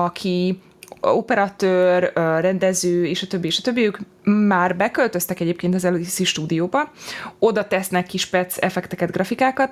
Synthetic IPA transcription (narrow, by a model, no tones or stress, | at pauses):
ɒkʰi | opɛɾɒt̪øːrørɛnd̪ɛzøːeːʃɒt̪øbːieʃɒt̪øbːiyk | maːrbɛkø̞lt̪ø̞st̪ɛkɛɟeːpkeːnt̪ɒzɛlod̪isiʃt̪uːd̪ijoːbɒo̞d̪ɒt̪ɛsnɛkːiʃpɛt̪sɛfɛkt̪ɛkɛd̪ɡrɒfikaːkɒt̪